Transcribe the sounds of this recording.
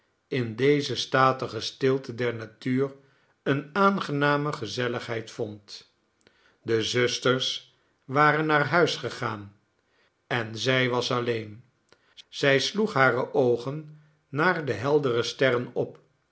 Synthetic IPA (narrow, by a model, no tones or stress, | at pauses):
ɪndejzəstaːtəχəstɪlˠtədɛɹnatyːr | ənaːnχənaːməχəzɛləχɦɛjtfɔnt | dəzɵstəɹs | ʋaːrənːaːɹɦœɥsχəχaːn | ɛnzɛjʋɑsɑlejn | z̥ɛjsluχɦaːrəʔowχənː | aːɹdəɦɛlˠdərəstɛrənɔp